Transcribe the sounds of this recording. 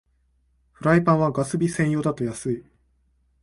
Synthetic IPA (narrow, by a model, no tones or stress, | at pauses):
ɸɯ̟ɾaipãɰ̃βaɡasɨbʲisẽ̞ɰ̃jo̞ːd̪at̪o̞jasɨi